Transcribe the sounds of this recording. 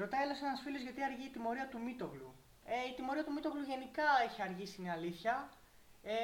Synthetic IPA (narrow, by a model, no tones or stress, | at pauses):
ɾo̞t̪ɐelosenɐsfilo̞zʝɐt̪iɐɾʝiːt̪imo̞ɾiɐt̪umit̪o̞ɣlu | eit̪imo̞ɾiɐt̪umit̪oɣluʝe̞nikɐeçiɐɾʝisinɐliθçɐ | e